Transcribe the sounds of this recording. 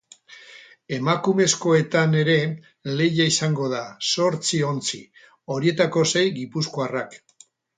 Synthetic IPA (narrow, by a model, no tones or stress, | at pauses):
e̞makume̞sko̞e̞t̪ane̞ɾe̞ | le̞ʝaisaŋɡo̞ðaso̞ɾt͡sio̞nt͡si | o̞ɾie̞t̪ako̞se̞jɡipuskoarak